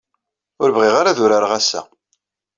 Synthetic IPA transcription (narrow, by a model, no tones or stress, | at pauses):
ʊɾəvʁɪʁaɾaðʊɾaɾʁæsːæ̰